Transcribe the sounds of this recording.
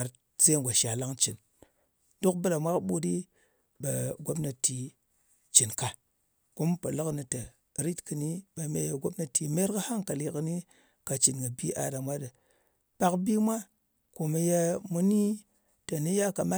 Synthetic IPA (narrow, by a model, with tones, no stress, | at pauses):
a˨ɾ | se˦ŋ˨ɡʷa˨ʃa˨la˦ŋt͡ʃi˨n | do˦kbɨ˦ɾa˨mʷa˦kɓu˦di˦ | ɓa˨ɡʷo˦bna˨ti˨ | t͡ʃi˨nka˨ | ku˦m˦pə˨lɨ˦kni˨tə˨ | ɾi˦tkɨ˨ni˦ɓa˨mḛ˦ja˨ɡo˦bna˦ti˨me˦ɾkə˦ha˦ŋka˨li˨kɨ˦ni˦ | ka˨t͡ʃi˨nɡə˨bi˦ʔa̰˨da˨mʷa˦də˨ | pa˦kbi˦mʷa˦ | ko˨mə˨ja˦mu˦ni˦ | ta˨ni˦ja˦ka˨ma˦